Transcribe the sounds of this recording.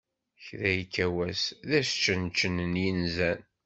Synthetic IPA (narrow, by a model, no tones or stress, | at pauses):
çðæjkːæwæsðæst͡ʃːənt͡ʃːənənjinzæn